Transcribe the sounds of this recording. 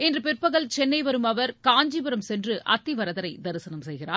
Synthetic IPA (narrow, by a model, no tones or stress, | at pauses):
ɛndrɯpɪrpɐɣɐɭt͡ʃɛnːɐɪʋɐɾɯmɐʋɐɾkaːɲd͡ʒibɐɾɐmsɛndrɯʔɐt̪ːiʋɐɾɐðɐɾɐɪd̪ɐɾɯsɐnɐmsɛjɣɪraː